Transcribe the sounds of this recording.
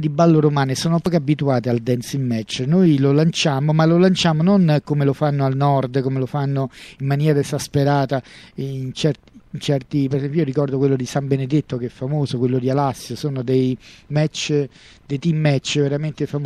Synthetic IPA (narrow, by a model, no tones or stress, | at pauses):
d̪ibːalːoɾomaːnesoːnopɔːkeabːit̪uaːt̪eald̪ɛnsimːɛt͡ʃːnojlolant͡ʃaːmomalolant͡ʃaːmononkomelofanːoalnɔrd̪komelofanːoimːanjɛːɾaezaspeɾaːt̪ant͡ʃɛrt̪int͡ʃɛrt̪ipeɾesɛmpjjijoɾikɔrd̪okwelːod̪isambened̪et̪ːokeɛfːamoːzokwelːod̪ialasːjosoːnod̪ejmɛt͡ʃː | d̪ejt̪imːɛt͡ʃːveɾament̪efam